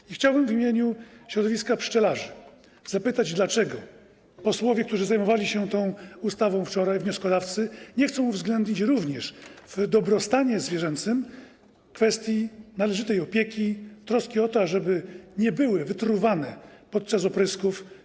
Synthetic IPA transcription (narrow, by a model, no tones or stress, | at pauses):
ixt͡ɕawbɘmvimʲjeɲuɕɾɔd̪ɔvʲiskapʂt͡ʂɛlaʐɘ | z̥apɘt̪ad͡ʑd̪lat͡ʂɛɡɔ | pɔswɔvʲjɛk̚t̪uʐɘzajmɔvalʲiɕɛt̪ɔ̃w̃ust̪avɔ̃w̃ft͡ʂɔɾajvɲɔskɔd̪aft̪sɘɲɛxt̪sɔ̃w̃uvzɡlɛnd̪ɲit͡ɕɾuvɲɛʂv̥d̪ɔbɾɔst̪aɲɛzvʲjɛʐɛnt̪sɘm | kfɛst̪ʲjinalɛʐɘt̪ɛjɔpʲjekʲit̪ɾɔskʲiɔt̪ɔaʐɛbɘɲɛbɘwɘvɘt̪ɾuvanɛpɔt̪̚t͡ʂasɔpɾɘskuf